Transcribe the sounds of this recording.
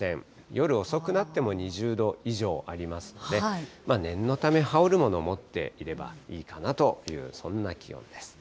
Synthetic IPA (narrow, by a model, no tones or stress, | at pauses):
ẽ̞ɴ | jo̞ɾɯ̟o̞so̞kɯ̟nat̪ːe̞mo̞ɲ̟iʑɨːd̪o̞iʑo̞ːʔaɾʲimasɨ̥no̞d̪e̞manẽ̞nːo̞t̪ame̞haoɾɯ̟mo̞no̞mo̞t̪ːe̞̰iɾe̞ba̰iːkanat̪o̞jɯ̟̰ːsõ̞nːakʲijõ̰nd̪̥e̞sɨ̥